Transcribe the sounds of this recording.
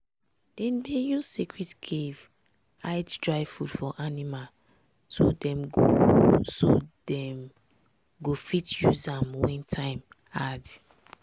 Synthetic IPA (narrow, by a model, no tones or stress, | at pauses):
d̥ɛ̃nbejuzsikɹitkʰev | ajddɹaɪfudfɔʔanimal | so̰dɛ̃mɡo̰sodɛm | ɡofitjuzãmwɛ̃ntʰãɪ̃m | ad